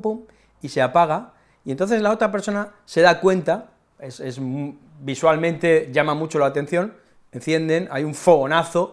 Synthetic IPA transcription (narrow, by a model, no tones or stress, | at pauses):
po | iseapaɣ̞a | ient̪o̞nθe̞zlao̞t̪ɾape̞ɾso̞na | se̞ð̞akwe̞nt̪a | ese̞zm | biswalmẽnt̪e̞ʝamamut͡ʃo̞laːt̪e̞n̟θjo̞n | en̟θje̞nd̪e̞na̰juɱfo̞ɣ̞o̞naθo̞